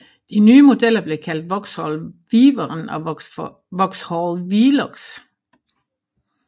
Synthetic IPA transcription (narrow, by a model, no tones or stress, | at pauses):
d̥inyːəmo̝del̰ɐb̥le̝kʰæl̰d̥ʋɒɡ̥shɒlʋiːʋɐʁənɒ | ʋɒɡ̥shɔlˠʋiːlɔɡ̥s